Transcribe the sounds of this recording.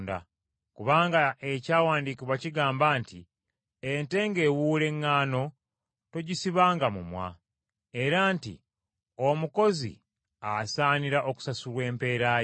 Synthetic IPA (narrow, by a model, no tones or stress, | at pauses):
nda̰ | kuβaːŋɡaecaːwaːndiːkiβwaciɡaːmbaːntḭ | ente̞ŋɡe̞wuːle̞ŋːaːno̞ | to̞ɟisiβaːŋɡamumwa̰ | e̞ɾaːntḭ | o̞muko̞zḭ | asaːniɾaʔo̞ku̥sasulwe̞ːmpe̞ːɾa